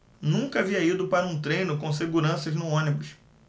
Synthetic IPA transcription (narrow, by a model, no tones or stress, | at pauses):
nũkɐaviɐid̪ʊpaɾɐũt̪ɾẽjnʊkõseɡuɾɐ̃sɐznʊõnibʊs